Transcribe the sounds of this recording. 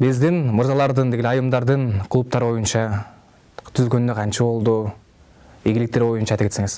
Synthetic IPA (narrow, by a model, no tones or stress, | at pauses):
bɪzd̪inmʊɾzɑlˠɑɾd̪ɯnd̪e̞ɡʲelʲɑjɯmd̪ɑɾd̪ɯnkʰlˠup̚t̪ɑɾbo̞junt͡ʃɑ | t̪ʰʏzɡø̞nnːøqʰɑnt͡ʃɑbo̞lˠd̪u | eɡɪlɪk̚t̪eɾbo̞junt͡ʃɑjt̪ɑpkeseŋɪz̥